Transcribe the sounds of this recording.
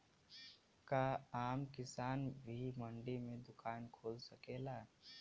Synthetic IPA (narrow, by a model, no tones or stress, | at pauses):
kaaːmkɪsaːnbʱimɐ̃ɳɖimẽd̪ʊkʰaːnkʰoːlsɐkeːlaː